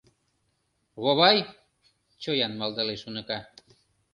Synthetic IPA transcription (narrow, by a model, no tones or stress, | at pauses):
ɣoβɑj | t͡ɕojɑnmɑld̪ɑleʃunə̆kɑ